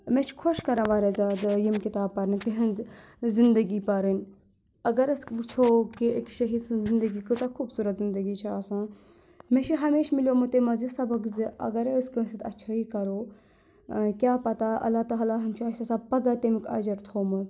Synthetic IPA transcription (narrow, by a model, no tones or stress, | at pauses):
mẽt͡ʃʰkʰoʃkɐɾãːʋaːɾezaːd̪jimkit̪aːb̚pɐɾnt̪iɦɐ̃nz | zɪnd̪əɡipɐɾɨnʲ | ɐɡɐɾəskt͡ʃʰoːkiekʃɐɦid̪sɨnzɪnd̪əɡikɨt̪ɐkʰuːbsuːɾɐt̪zɪnd̪əɡiːt͡ʃʰiaːsãː | mẽt͡ʃʰiɦɐmeːʃmiljoːmɨt̪emɐzisɐbɐkziʔɐ̰ɡɐɾəskə̃sit̪ɐtːʃʰaiːkɐɾoː | kʲjaːpɐt̪aʔɐ̰lːaːt̪aɦɐlaːɦɐmt͡ʃʰiɐsasapɐɡat̪emikɐ̰d͡ʒɐɾt̪ʰoːmɨ